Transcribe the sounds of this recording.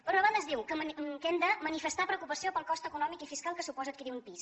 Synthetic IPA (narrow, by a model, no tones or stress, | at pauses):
pɾɔɐβand̪əzðiwkəkɛmd̪əmənifəst̪apɾəwkupəsiopəlˠkɔst̪əkunɔmikifiskalˠkəsupɔzət̪kiɾiumpis